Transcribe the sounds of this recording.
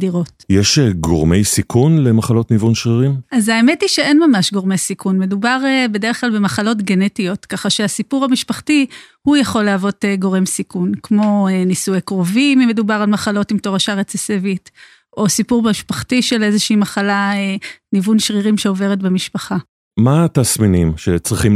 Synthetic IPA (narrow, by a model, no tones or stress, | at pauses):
diʁo̞tjeʃeɡo̰ʁmejsikunlemaχalo̞tnivunʃʁiʁimazaeme̞tiʃe̞e̞nmamaʃɡo̞ʁme̞jsikʰunme̞dubaʁebe̞deʁeχklalbe̞maχalo̞tɡene̞tijo̞tkaχaʃeasipuʁhamiʃpaχtihujaχo̞leavo̞teɡo̞ʁe̞msikunkmo̞enisujekʁovimime̞dubaʁalmaχalo̞timt̪oʁaʃaʁet͡sesevit | ʔo̞sipuʁiʃpaχtiʃe̞le̞zeʃiːmaχalaenivunʃʁiʁimʃe̞ove̞ʁetbemiʃpaχa | matasminimʃḛt͡sʁiχim